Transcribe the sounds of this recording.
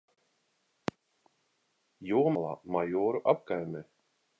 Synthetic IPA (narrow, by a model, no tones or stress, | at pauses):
jɔːmalˠa̰ːmajɔːɾuʔap̚kajmɛ